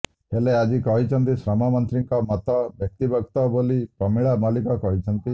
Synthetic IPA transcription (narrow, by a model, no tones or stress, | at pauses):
ɦelead͡ʒikɔɦit͡ʃʰɔnt̪isɾɔmamɔnt̪ɾiŋkɔmɔt̪ɔbjɔk̚t̪ibɔkt̪ɔbolipɔmiɭamalikɔkɔɦit͡ʃʰɔnt̪i